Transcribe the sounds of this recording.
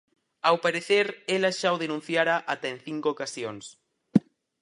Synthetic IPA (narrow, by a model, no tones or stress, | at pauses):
awpaɾeθeɾelaʃawð̞enũn̟θjaɾaʔat̪aen̟θiŋkookasjoŋs